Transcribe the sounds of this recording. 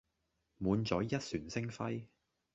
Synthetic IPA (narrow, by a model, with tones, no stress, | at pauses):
muː˨˧nt͡ʃɔː˨˥jɐ˥t̚syː˨˩nsɪ˥ŋfɐ˥j